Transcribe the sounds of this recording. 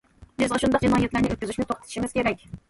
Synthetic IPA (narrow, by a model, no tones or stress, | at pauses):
bɪzʁɑʃund̪ɑqd͡ʒɑnɑːjɛt̪læɾnɪʔøt̪̚kʲyzyʃmɪt̪oχ̚t̪ʰɪt̪ʰʃimɪz̥kʲʰeɾɛkʲ